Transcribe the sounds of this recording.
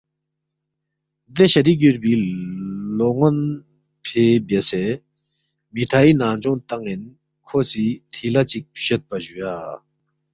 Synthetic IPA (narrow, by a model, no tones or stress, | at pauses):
d̪eɕat̪ic̬øɹpiːlɔŋon | pʰeːbesɛː | miʈ͡ʂʰajinaŋt͡ɕɔŋt̪aŋːin | kʰosit̪ʰilat͡ɕik̚ɕət̪̚paɕyja